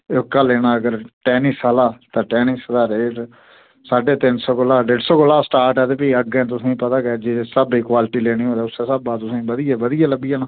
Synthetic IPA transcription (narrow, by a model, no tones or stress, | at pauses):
ʊkːaːleːnaːəɡəɾʈɛːniːsaːlaːt̪ãːʈɛːnisəd̪aːɾe | saːɖeːt̪ɪnsɔːkʊlaːɖeːɖsɔːkʊlaːsʈaːɾʈɛːt̪eːpiːəɡɛ̃ːt̪ʊsĩːpət̪aːɡɛːd͡ʒesəbiːkwaːlɪʈiːleːɽ̃iːɦõːd̪ɛːʊseːsəbaːt̪ʊsĩːbəd̪ijaːbəd̪ijaːləbɪjaːnãː